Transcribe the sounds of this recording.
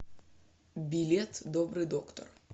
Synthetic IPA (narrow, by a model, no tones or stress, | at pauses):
bʲilʲet̪d̪ɔbɾɨjd̪ɔkt̪ɔ̰r